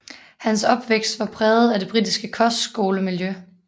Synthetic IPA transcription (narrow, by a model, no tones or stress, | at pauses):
hænsɒ̽b̥ʋeɡ̥sd̥ʋɑ̈pʰʁɛːð̩ˠæde̝b̥ʁidisɡ̥əkʰɒ̽sd̥sɡ̥o̝ːləmiljø